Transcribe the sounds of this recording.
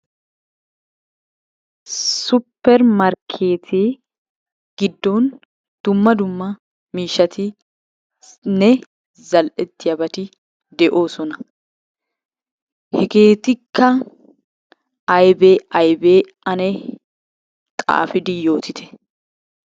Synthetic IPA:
sʊpːɛɾmɐɾkʰeːt̪ʰɪ | ɡ̥ɪd̪ːɔn | d̪̥ʊmːɐd̪ʊmːɐ | miːʃɐt̪ʰɪ | nɛ | zɐlʔɛt̪ːɪjɐbɐt̪ɪ | d̪ɛʔo̞ːsɔnɐ | hɛɡe̞ːt̪ɪkʰːɐ | ɐjbeːɐjbeː | ɐnɛ | t̪ʼa̰ːfɪd̪ɪjo̞ːt̪ɪt̪ʰɛ̥

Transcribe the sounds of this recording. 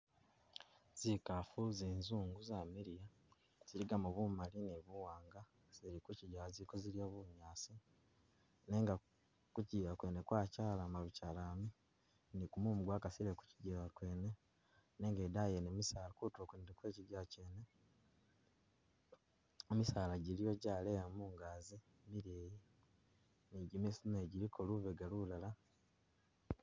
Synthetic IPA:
z̥ikafuzeːnzuːŋɡuzamiɾija | z̥iɾiɡamuβumaliniβuwaːŋɡa | z̥iɾikuciɟazikoziɾijo̞ːβuɲaːsi | neːŋɡa | kuɟiːβakweːnekwaːcaːlamaβucalaːmi | nikumumuɡwakasiɾeku̥ciɟiβakweːne̞ | ne̞ːŋɡeːdajenemisaːlakutokunidekweːciɟaceːne | emisaːlaɟilijo̞ɟaːleamuːŋɡaːzi | miɾeːji | niɟimesineɟilikʰoluβeɡalulala

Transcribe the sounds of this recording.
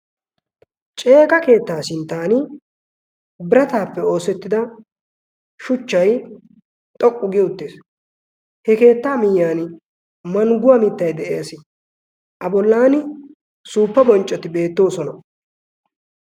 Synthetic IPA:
t͡ʃʼe̞ːkʼɐke̞ːt̪ːaːsɪnt̪ːaːnɪ | bɪɾɐt̪aːpːɛo̞ːsɛt̪ːɪd̪ɐ | ʃʊt͡ʃːɐj | t̪ʼɔkʼːʊɡɪʊt̪ːeːs | hɛke̞ːt̪ːaːmɪjːaːn | mɐŋɡʊwamɪt̪ːɐjd̪ɛʔeːsɪ | ʔɐbɔlːaːnɪ | suːpːɐbɔnt͡ʃʼːɔt̪ɪbe̞ːt̪ːo̞ːsɔnɐ

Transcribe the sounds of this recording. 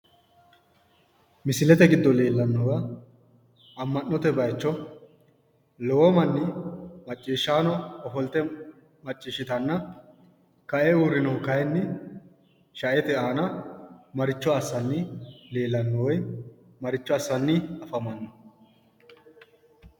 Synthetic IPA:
mɪsɪlɛt̪ɛɡɪd̪ːɔle̞ːlːɐnːɔwɐ | ɐmːɐnːɔt̪ɛbɐjt͡ʃːɔ | lɔwɔmɐnːɪmɐt͡ʃʼːiːʃːaːnɔɔfɔlt̪ɛ | mɐt͡ʃʼːiːʃːɪt̪ɐnːɐ | kɐʔɛuːɾɪnɔŋkɐjnːɪ | ʃɐʔɛt̪ɛaːnɐmɐɾɪt͡ʃːɔɐsːɐnːɪle̞ːlːɐnːɔwɔj | mɐɾɪt͡ʃːɔɐsːɐnːɪɐfɐmɐnːɔ

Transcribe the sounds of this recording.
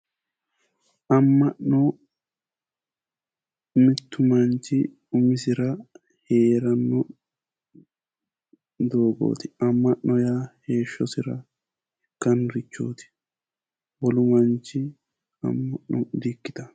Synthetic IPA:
ʔɐmːɐʔnɔ | mɪt̪ːʊmɐnt͡ʃːɪ | ʊmɪsɪɾɐ | he̞ːɾɐnːɔ | d̪o̞ːɡo̰ːt̪ɪ̥ɐmːɐʔːɔjaːhe̞ːʃːɔsɪɾɐ̰ | kːɐnɾɪt͡ʃːo̰ːt̪ɪ̥ | bɔlʊmɐnt͡ʃːɪ | ɐ̰mːɐʔnɔd̪ikːɪ̥t̪ɐ

